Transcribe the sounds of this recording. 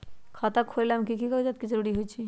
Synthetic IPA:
kʰat̪akʰollamkikikɔɦud͡ʒat̪̚kid͡ʒəɾuɽiɦojt͡ʃʰi

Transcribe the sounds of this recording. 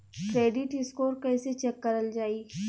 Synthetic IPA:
kɾeːɖɪʈɪskoːɾkɛːset͡ʃɛkːɐɾəld͡ʒaːiː

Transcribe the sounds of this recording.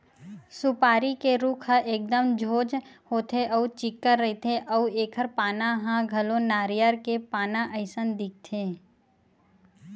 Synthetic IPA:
sʊpaːɾikeɾuːkʰɦəʔeːk̚d̪əmd͡ʒʱoːd͡ʒhoːt̪ʰeʔəut͡ʃɪkːəɾːɐɦet̪ʰeʔɐueːkʰəɾpaːnaɦãɡʱɐlõnaːɾjəɾkepaːnãʔəɪsənd̪ɪk̚t̪ʰeː

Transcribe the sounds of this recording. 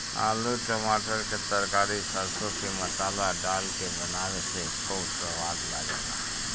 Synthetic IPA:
a̰ːluʈəmaʈəɾket̪əɾkaːɾisəɾsokemət̪aːlaɖaːlkebənaʋese | koːpɾəʋad̪la̰ɡela̰

